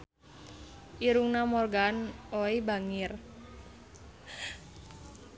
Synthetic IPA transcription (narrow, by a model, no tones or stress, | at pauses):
ʔiɾuŋnamɔrɡanoibaŋɪr